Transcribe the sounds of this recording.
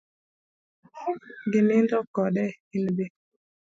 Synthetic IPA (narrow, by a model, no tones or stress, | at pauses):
hʊmɡɪnɪndɔkɔɗɛ | inbe